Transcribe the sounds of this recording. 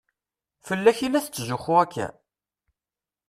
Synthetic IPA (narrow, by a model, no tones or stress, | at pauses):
fəlːæçilæθt͡sːʒʊχuækʰːæ̰